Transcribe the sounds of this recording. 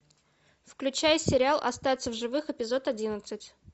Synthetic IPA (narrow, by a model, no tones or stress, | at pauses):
fklʲʉt͡ɕæjɪsʲːɪɾʲɪalˠʔɐ̰st̪avʲɪt̪səvʐɨvɨxɨpʲɪzo̞t̪ɐdʲinət̪sɨtʲ